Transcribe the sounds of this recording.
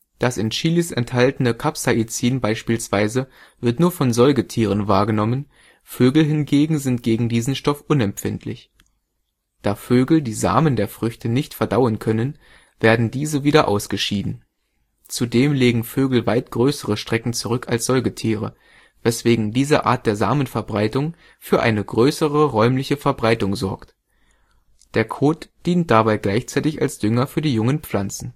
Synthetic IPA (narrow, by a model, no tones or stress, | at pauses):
d̥asɪnʃiːlisɛnthaltənəkʰapsaʔit͡siːnbaɪʃpiːlsv̥aɪzə | vɪɐtnuːɐfɔnzɔlɡətʰiːʁ̞ənvaːɐɡənɔmən | føːɡl̩ɦɪnɡeːɡŋ̩zɪntɡ̥eːɡŋ̩diːzn̩ʃtɔfʔʊnɛmpfɪntʰlɪ̰ç | d̥aːføːɡl̩diːza̰ːməndeːɐfʁ̥ʏçtənɪçtfɛɐdaʊənkʰœnən | v̥eːɐdn̩diːzəviːdɐʔa̰ʊsɡ̥əʃiːdn̩ | t͡sudeːmleːɡŋ̩føːɡl̩vaɪt̚ɡ̥ʁøːsəʁəʃtʁ̥ɛkŋ̩t͡suʁʏkʰalsz̥ɔlɡətʰiːʁ̞ə̰ | vɛsv̥eːɡŋ̩diːzəʔa̰ːɐt̚d̥eːɐza̰ːmənfɛɐbʁaɪtʊŋ | fyːɐʔaɪnəɡʁøːsəʁəʁɔʏmlɪçəfɛɐbʁaɪtʊŋzɔɐkt | d̥eːɐkʰoːtd̥iːnt̚d̥abaɪɡlaɪçt͡saɪtɪça̰lsd̥ʏŋɐfyːɐdiːjʊŋənp͡fl̥ant͡sn̩